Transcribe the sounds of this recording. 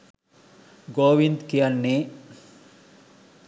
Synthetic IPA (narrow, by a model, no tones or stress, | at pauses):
ɡoːʋind̪kijɐnːe